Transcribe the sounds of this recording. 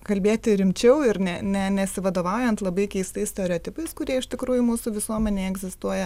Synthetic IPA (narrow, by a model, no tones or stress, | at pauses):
kɐlʲbʲeːt̪ʲɪɾʲɪmʲt͡ʃʲɛʊɪɾnʲɛnʲɛnʲɛsʲɪʋɐd̪oːʋɑʊjɛnt̪lˠɐbɐɪkʲɛɪst̪ɐɪsʲt̪ʲɛoːɾʲɛoːt̪ʲɪpɐɪskʊɾʲiɛɪʃt̪ʲɪkɾuːjʊmuːsuːʋʲɪsuɔmʲɛnʲeːɛɡzʲɪst̪uɔjɛ